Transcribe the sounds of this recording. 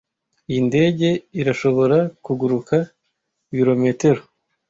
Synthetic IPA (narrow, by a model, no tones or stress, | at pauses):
ijinde̞ːɟe̞iɾaʃo̞βo̞ɾakuɡuɾuka | βiɾo̞me̞te̞ɾo